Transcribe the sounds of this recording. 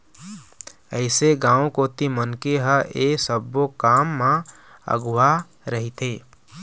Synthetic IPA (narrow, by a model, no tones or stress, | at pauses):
əɪseɡãːõkoːt̪imənkeɦəʔeːsəbokaːmːã | ə̰ɡwa | ɾəɦit̪ʰeː